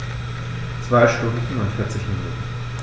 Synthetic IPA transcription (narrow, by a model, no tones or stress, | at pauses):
t͡sv̥aɪʃtʊndn̩fnɔnfɪɐt͡sɪçminṵtn̩